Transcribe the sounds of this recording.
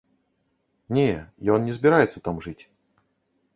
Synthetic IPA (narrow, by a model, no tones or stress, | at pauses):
nʲejɔnnʲɛzbʲɪɾajɛt̪sːət̪amʐɨt͡sʲ